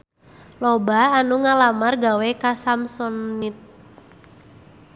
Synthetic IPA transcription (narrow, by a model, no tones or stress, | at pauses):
lɔbaanuŋalamarɡawekasamsɔnit̪̚